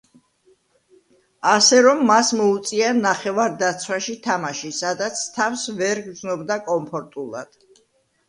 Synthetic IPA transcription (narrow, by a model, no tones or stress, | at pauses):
asɛɾɔmːasmɔut̪sʼianaχɛvaɾd̪at̪sʰwaʃit̪ʰamaʃisad̪at̪sʰt̪ʰafsvɛɾɡd̪znɔbd̪akʼɔmpʰɔɾt̪ʼulˠa̰d̪̥